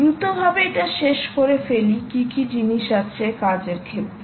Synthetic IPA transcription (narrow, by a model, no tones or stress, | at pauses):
ɾut̪obʱabeeʈaʃeʃkoɾefelikikid͡ʑiniʃat͡ɕʰekad͡ʑeɾkʰet̪ː